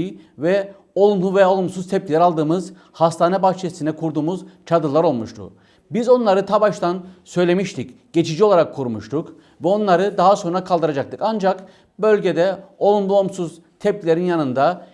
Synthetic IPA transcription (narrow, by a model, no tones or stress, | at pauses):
vɛ | o̞lˠumlˠuvɛo̞lˠumsuzt̪ʰɛp̚cʲilʲɛɾalˠd̪ɯːmɯz | hast̪ʰaːnɛbaxt͡ʃʰesinɛkʰuɾd̪uːmuz̥t͡ʃʰad̪ɯlˠaɾo̞lˠmuʃt̪ʰṵ | bizo̞nlˠaɾɯt̪ʰabaʃt̪ʰansø̞jlʲe̞miʃt̪ʰic | ɟ̥e̞t͡ʃʰid͡ʒio̞lˠaɾakʰːuɾumuʃt̪ʰuk | vɛo̞nlˠaɾɯd̪aɦaso̞nɾakʰalˠd̪ɯɾad͡ʒak̚t̪ʰɯkand͡ʒak | bø̞lʲɟed̪ɛo̞lˠumlˠuomsuz | t̪ʰɛp̚cʲilʲeɾinjanɯnd̪a